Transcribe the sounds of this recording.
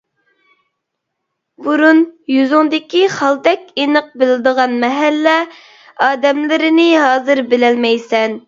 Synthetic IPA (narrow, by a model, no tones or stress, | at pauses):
buɾunjyzʊŋd̪ɪkʲiχɑlˠd̪ɛkʲenəq̚bɪlɪd̪əʁɑnmɛɦælːɛ | ɑːd̪ɛmlɪɾɪnɪɦɑːzɨɾbɪlɛlmɛjsɛn